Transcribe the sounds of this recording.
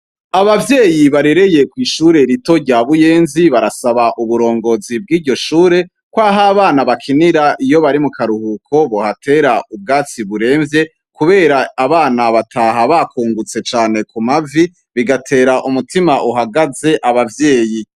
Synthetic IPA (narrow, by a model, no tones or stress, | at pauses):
aβavje̞ːjiβaɾe̞ɾe̞je̞kwiːʃuːɾe̞ɾito̞ɾɟaːβuje̞ːnziβaɾasaβaʔuβuɾo̞ːŋɡo̞zib̚ɡiːɟo̞ʃuːɾe̞ | kwaɦaːβaːnaβakʰiniɾaʔijo̞βaɾimukaɾuhukʰo̞βohatʰe̞ɾaub̚ɡaːt͡siβuɾe̞ːɱvje̞ | kuβe̞ːɾaːβaːnaβatʰaːɦaβakʰuːŋɡut͡se̞t͡ʃaːne̞kumavi | βiɡatʰe̞ːɾaʔumutimaʔuɦaɡaze̞ʔaβavje̞ːji